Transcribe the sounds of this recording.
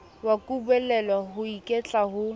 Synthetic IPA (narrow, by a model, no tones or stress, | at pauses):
wakʼubɛlɛlaɦʊikʼɛt͡ɬʼaɦʊ